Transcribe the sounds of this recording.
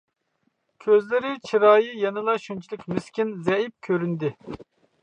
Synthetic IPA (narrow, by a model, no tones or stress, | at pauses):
kʲʰøzlɪɾɪt͡ʃʰiɾɑːjijɑnɨlˠɑʃunt͡ʃʰilˠɪkʲmyskʲinzɛip̚kʲʰøɾynd̪ɪ